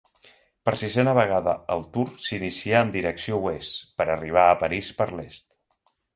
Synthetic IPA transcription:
pəɾsizɛnəβ̞əɣ̞aðəəlˠt̪uɾsinisiəənd̪iɾəksiowespəɾəriβ̞aəpəɾispəɾlest̪

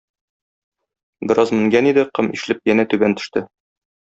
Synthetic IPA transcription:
bɘ̆ɾʔɑzmɘ̆ŋɡænid̪ɘqɤmʔḭʃlɘp̚jænæt̪ʉbænt̪ɵ̥̆ʃt̪ɘ

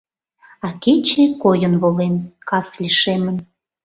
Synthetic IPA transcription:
ɑket͡ɕekojənβolenkɑslʲiʃemən

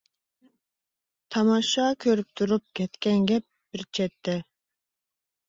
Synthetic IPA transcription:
t̪ʰɑmɑʃɑkʲʰøɾyp̚t̪ʰuɾup̚kʲɛt̪kʲɛnɡʲɛp̚b̥ɪɾt͡ʃʰɛt̪ʰːɛ

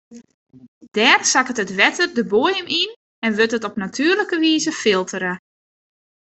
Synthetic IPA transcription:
d̥ɛːrsakətətʋɛtʰərdəboəjəmin | ɛnʋøtətɔpnatʰyːrləkəʋiːzəfɪlˠtʰəɾə

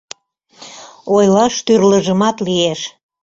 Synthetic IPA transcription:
ojlɑʃt̪yrləʒəmɑt̪lieʃ

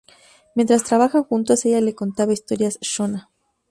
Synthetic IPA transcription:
mjent̪ɾast̪ɾaβaxaxunt̪aseʝale̞ko̞nt̪aβaist̪o̞ɾjasʃona

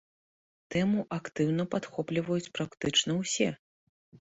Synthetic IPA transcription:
t̪ɛmuʔakt̪ɨwn̪ɐpat̪xɔplʲivɐjut͡sʲpɾakt̪ɨt͡ʂnɐwsʲɛ

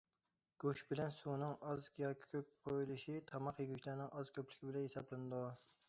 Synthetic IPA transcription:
ɡ̥oʃbɪlɛnsunɨŋɑzjɑkʲʰi̥kʲʰøp̚qʰojilˠɨʃit̪ʰɑmɑqjeɡʲyt͡ʃʰlæɾnɪŋʔɑzkʲʰøplɪ̥kʲʰɪbɪlɛnɦesɑblˠɨnɨd̪u

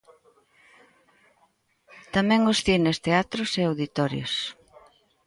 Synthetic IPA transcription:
t̪amɛ̃ŋʊsθinest̪eat̪ɾʊseawðit̪ɔɾjo̰s

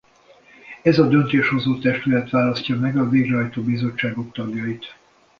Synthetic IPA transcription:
ɛzɒd̪ø̞nt̪eːʃho̞zoːt̪ɛʃt̪ylɛt̪ʋaːlɒscɒmɛɡɒveːɡrɛɦɒjt̪oːbizo̞t͡ʃːaːɡo̞k̚t̪ɒɡjɒjit̪

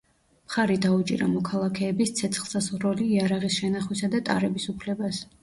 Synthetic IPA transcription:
mχaɾid̪aut͡ʃʼḭɾa̰mɔkʰalˠakʰɛːbist̪sʰɛt̪sʰχlˠsazʁɾɔliːaɾaʁisʃɛnaχwisad̪at̪ʼa̰ɾɛbisupʰlɛbas

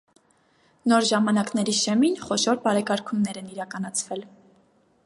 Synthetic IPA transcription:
nɔɾʒɑmɑnɑknɛɾiʃɛminχɔʃɔɾpɑɾɛkɑɾkʰunːɛɾɛniɾɑkɑn̪ɑt͡sʰvɛl

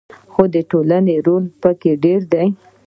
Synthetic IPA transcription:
xod̪əʈolaneɾolpəkeɖeɾd̪aj

